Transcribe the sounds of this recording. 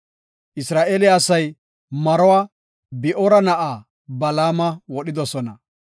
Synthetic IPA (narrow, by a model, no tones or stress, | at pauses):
ʔɪsɾaːʔeːlɪaːsɐj | mɐɾɔwaː | bɪʔɔɾɐnɐʔaː | bɐlaːmɐwɔɗɪd̪ɔsɔnɐ